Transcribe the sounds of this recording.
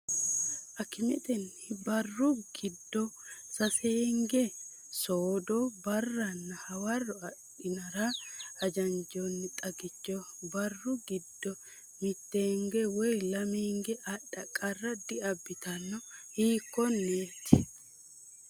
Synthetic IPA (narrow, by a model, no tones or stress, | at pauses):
ʔɐkːɪmɛt̪ʼɛnːɪbɐrːʊɡ̥ɪd̪ːɔsɐseːŋɡɛ | soːd̪ɔbɐrːɐnːɐhɐwɐrːɔɐ | ɪnɐɾaɐd͡ʒɐnd͡ʒonːɪt̪ʼɐɡɪt͡ʃːɔbɐrːʊɡɪd̪ːɔ | mɪt̪ːeːŋɡɛwɔjlɐmeːŋɡɛʔɐɗːɐkʼːɐrːɐd̪ɪɐbːɪt̪ɐnːɔhiːkːɔnːeːt̪ːɪ